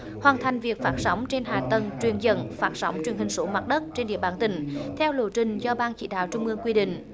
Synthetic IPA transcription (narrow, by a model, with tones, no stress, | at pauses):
hwaː˨˩nt̪ʰa˨˩jŋ̟vi˨˩ək̚faː˦˥t̚sa˨˦wŋ͡mt͡ɕe˧nɦaː˨˩t̪ə˨˩nt͡ɕwi˨˩ənzə̰˧˩nfaː˦˥t̚sɔ˨˦wŋ͡mt͡ɕwi˨˩ənhï˨˩ŋ̟so˨˦ma˨˩t̚ɗə˦˥t̚t͡ɕe˧nɗḭ˧˩əɓaː˧˩nt̪ï˧˩˦ŋ̟t̪ʰɛ˧wlo˧˩t͡ɕï˨˩ŋ̟zɔ˧ɓaː˧nt͡ɕḭ˧˥ɗa̰ː˧˨wt͡ɕʊ˧ŋ͡mʔɨ˧əŋkwi˧ɗḭ̈˧˨ŋ̟